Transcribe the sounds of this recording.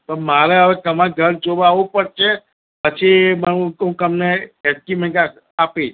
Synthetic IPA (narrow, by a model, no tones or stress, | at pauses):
pəɳmaɾeəʋek̪əmãɡʱəɾd͡ʒoʋaʋũpəɾt͡ʃʰe | pət͡ʃʰimaũɦũkəmneɛs̚kimɛ̃ka | apit͡ʃ